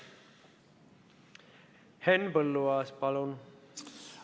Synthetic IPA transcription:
hɛnbəlːoaspalon

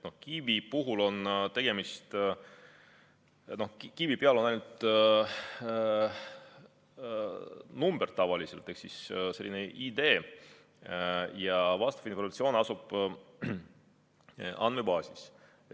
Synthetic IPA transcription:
no̞hkivipuɦulo̞nt̪e̞ɡ̥e̞mist̪ | no̞hkivipeɑlo̞nɑjnut̪ | numb̥ert̪ɑvɑliselt̪e̞ksisse̞lːineʔid̪e̞ː | jɑvɑst̪ɑ̥finformɑt̪sio̞ːnɑsub̥ | ʔɑ̰nme̞bɑːsis

